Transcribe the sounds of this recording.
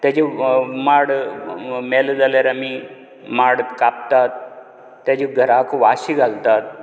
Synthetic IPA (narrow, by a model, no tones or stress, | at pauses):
t̪jat͡ɕimaɽ | mɛld͡zaljaɾami | maɽkap̚t̪at̪ː | jat͡ɕiɡʱəɾakʋaɕiɡʱalt̪at̪̚